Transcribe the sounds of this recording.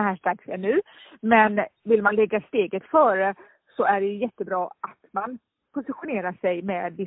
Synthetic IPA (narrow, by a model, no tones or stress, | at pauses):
hæːʂʈɾaksɛɳʉ̟ː | mɛnvɪlmanlɛɡːast̪eːɡət̪fœːɾə | sɔæɖɛjɵjɛt̪ːəbɾɑːat̪man | pʰʊsɪɧʊneːɾaʂɛjmɛːd̪vɪ